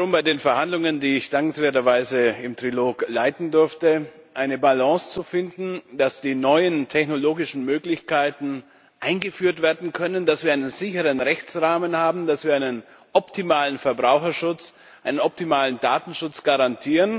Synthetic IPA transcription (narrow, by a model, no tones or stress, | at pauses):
ʁʊmbaɪdeːnfɛɐhandlʊŋəndiːɪçd̥aŋkŋ̩sv̥eːɐtɐvaɪzəɪmtʁ̥iloːklaɪtn̩dʏɐftəʔaɪnəbalɑ̃ːst͡sufɪndn̩d̥asd̥iːnɔʏəntʰɛçnoloːɡɪʃn̩møːklɪçkaɪtn̩ | ʔaɪnɡəfyːɐtv̥eːɐdn̩kʰœnəndasv̥iːɐaɪnənzɪçəʁənʁɛçt͡sʁaːmənhaːbm̩dasv̥iːɐaɪnən | ʔɔptimaːlənfɛɐbʁaʊxɐʃʊt͡s | ʔaɪnənɔp̚timaːləndaːtn̩ʃʊt͡sɡ̥aʁantʰiːʁən